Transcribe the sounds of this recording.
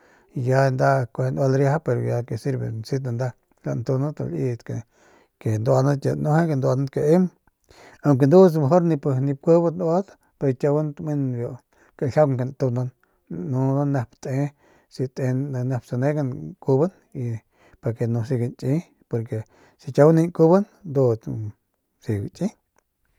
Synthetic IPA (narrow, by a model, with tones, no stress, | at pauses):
i˧ja˧nd̪a˦kʷe˧n˧a˧lɾja˧˦a˦pe˧ɾo˧ja˧ke˧si˧ɾbḛ˨nsi˦d̪na˧nd̪a˧ | la̰˧nt̪u˧na˦t̪o̰˧li˧d̪kḛ˨ | ke˨nd̪a˧na˦t̪ʲa̰˧˨no˧˦he˦ke˧nd̪a˧na˦ke˧˨e˦m | a˧˨ŋk̬e˧nd̪u˦s̬me˧ɦo˦ɾni˧pɨ˧ni˧p̚kʷe˦ba˦nwa˦d̪ | pe˧ɾt̪ʲa˧wa˦nt̪mi˦nbjo˧ | ka˧ɬʲa˦wŋke˧˨nt̪u˧na˧nː | u˧na˦ne˧pt̪e˧˦ | si˧t̪e˧nne˧psa˧ne˦ɡa˧nku˧ba˦n | i˧ | pa˧ke˧nu˧si˧ɡa˧nt͡ʃʼi˦ | po˧ɾke˨ | si˧t͡ʃʲa˧wni˧ŋku˧ba˦n | nd̪u˧t͡s | si˧ɡ̰t͡ʃʼĩ˦